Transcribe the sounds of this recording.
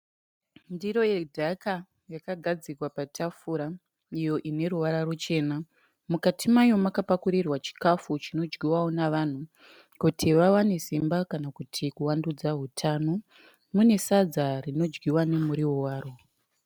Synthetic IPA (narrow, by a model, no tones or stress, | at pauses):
ndiɾo̞jedʱaka | jakaɡʱad͡zikwapatʰafuɾa | ijo̞ʔine̞ɾuʋaɾarut͡ʃe̞ːna | mukatʰimajo̞makapakuɾirwat͡ʃi̥kafut͡ʃino̞d͡ʒɡiwaonaʋan̤u | kutʰiʋawane̞simbakanakutʰikuwandud͡zaɦutʰano̞ | mune̞sad͡zarino̞d͡ʒɡiwane̞muɾiwowaːɾo̞